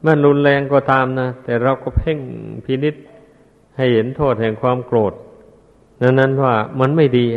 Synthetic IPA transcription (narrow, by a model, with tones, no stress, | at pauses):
ma˧˥˩nɾu˧nlɛː˧ŋkɔː˧˩t̪aː˧mna˧˥˩t̪ɛː˨˩ɾa˧wkɔː˥˩pʰe˥˩ŋpʰiː˧˥ni˦˥t̪̚ | ha˥˩jhe˩˦nt̪ʰoː˥˩t̪̚hɛː˨˩ŋkʰwaː˧mkloː˨˩t̪̚ | na˧˥˩na˦˥nwaː˧˥˩ma˧˥˨nma˥˩jdiː˧